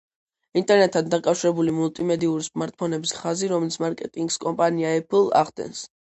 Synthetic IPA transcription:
int̪ʼɛɾnɛt̪ʰːand̪akʼafʃiɾɛbulimulˠt̪ʼimɛd̪iuɾismaɾt̪̚ʰpʰɔnɛbisχaziɾɔmɛlit̪sʰmaɾkʼɛt̪ʼiŋɡskʼɔmpʼaniaɛpʰilˠa̰ʁd̪ɛ̰ns

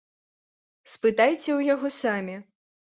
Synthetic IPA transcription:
spɨt̪ajt͡sʲɛwjaɣɔsamʲi

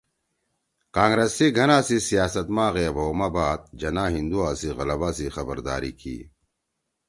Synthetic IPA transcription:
kaːŋɡɾesiɡʱɐnaːsisijaːsɐt̪mãːɣeɐboːmabaːt̪̚d͡ʑɐnãːɦĩnd̪uaːsiɣɐlɐbaːsixɐbɐɾd̪a̰ːɾḭkʰḭː

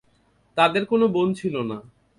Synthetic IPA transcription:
t̪ad̪eɾkonobont͡ɕʰilona

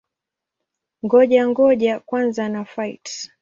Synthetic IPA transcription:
ŋɡɔʄaŋɡɔʄakwanzanafajt

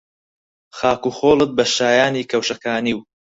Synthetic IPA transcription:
xaːkuːxoːlˠɨt̪̚bɐʃaːjaːniːkʰɐwʃɐkaːniw

